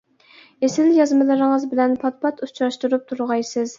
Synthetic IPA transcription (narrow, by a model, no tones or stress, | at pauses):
esɪljɑzmɨlˠɨɾɪŋəzbɪlɛnpʰɑt̪̚pʰɑt̪ut͡ʃʰɾɑʃt̪uɾup̚t̪ʰuɾʁɑjsɨz